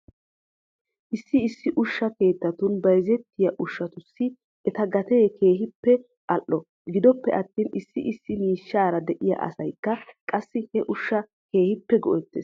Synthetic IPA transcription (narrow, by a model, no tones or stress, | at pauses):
ʔɪsːɪɪsːɪʔʊʃːɐke̞ːt̪ːɐt̪ʊnbɐjzɛt̪ːɪjɐʔʊʃːɐt̪ʊsːɪ | ɛt̪ɐɡɐt̪e̞ːkʰe̞ːɦɪpːɛ | ʔɐʔːɔ | ɡɪd̪ɔpːɛʔɐt̪ːiːnɪsːɪʔɪsːɪmiːʃːaːɾɐd̪ɛʔɪjɐ̰ʔɐ̰sɐjkːɐkʼɐsːɪhɛʔʊʃːɐ | ke̞ːhɪpːɛɡɔʔɛt̪ːḛːs